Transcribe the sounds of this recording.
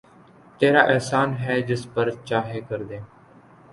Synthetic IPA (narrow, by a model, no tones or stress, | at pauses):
t̪eːɾaːʔɛːsaːnɦɛːd͡ʒɪspəɾt͡ʃaːɦeːkəɾd̪eː